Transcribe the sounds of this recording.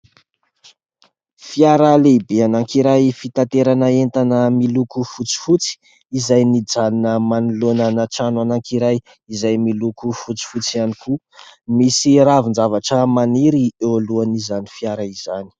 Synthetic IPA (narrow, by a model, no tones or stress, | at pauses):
fiaɾəlebeanaŋkiɾajfit̪ant̪eɾanəent̪anəmilukufut͡si̥fut͡si̥ | izajnid͡zaninəmanulonanaʈ͡ʂanuanaŋkiɾaj | izajmilukufut͡si̥fut͡sianiku | misiɾavind͡ʒavaʈ͡ʂəmaniɾiewaluanizanifjaɾəizani̥